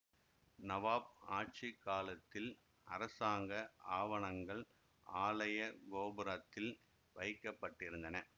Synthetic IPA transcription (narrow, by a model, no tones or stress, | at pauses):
nɐʋaːp̚aːʈ̚t͡ʃikːaːlɐt̪ːɪl | ɐɾɐsaːŋɡɐʔaːʋɐɳɐŋɡɐɭ | aːlɐjɐɡoːbɯɾɐt̪ːɪl | ʋɐɪkːɐpːɐʈːɪɾɯnd̪ɐnɐ